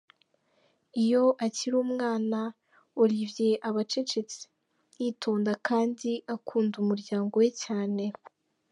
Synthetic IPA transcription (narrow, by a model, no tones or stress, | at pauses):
ijo̞ʔaciɾuːmŋaːna | uɾivje̞ʔaβat͡ʃet͡ʃet͡si̥ | jiːtʰo̞ːndakʰaːndiʔakʰuːndumuɾɟaːŋɡo̞we̞caːne̞